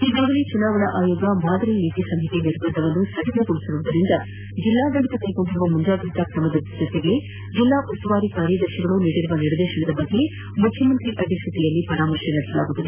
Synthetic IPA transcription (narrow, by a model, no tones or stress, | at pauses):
iːɡaːɡɐlit͡ʃunaːʋɐɳɐʔaːjoːɡɐmaːd̪ɐɾeniːt̪isɐmɦit̪iniɾbɐnd̪ɐʋɐnːusɐɽɐnɐt̪uɭisɐɾuːd̪ɐɾind̪ɐ | d͡ʒilːaːd̪ɐɽit̪ɐt̪ɐjkoɳʈiɾuʋɐmuɲd͡ʒaːɡɾit̪akɾɐmɐd̪ɐɐd͡ʒot̪ːeɡe | d͡ʒilːaːʔusɐʋaːɾikaːɾjɐd̪ɐɾʃɐɡɐɭuniːɽiɾuʋɐniɾɐd̪eːʃɐɳɐd̪ɐbɐɡːe | mukʰːjɐmɐnt̪ɾiʔɐd̪ʱist̪ʰɐt̪ijɐlːipɐɾaːmɐɾʂɐnɐɽɐsɐlaːɡuːt̪ːɐd̪e